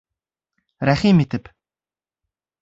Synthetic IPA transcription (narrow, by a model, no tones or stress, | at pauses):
raχʲimːit̪ɘ̆p